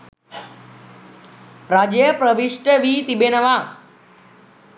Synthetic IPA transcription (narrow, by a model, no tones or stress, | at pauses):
ɾad͡ʒjəpɾəʋiʂʈəʋiːt̪ibenəʋa